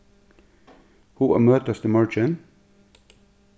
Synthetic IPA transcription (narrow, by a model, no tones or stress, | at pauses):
huːʔæ̰ːmøːt̪əst̪əmɑɹt͡ʃɪn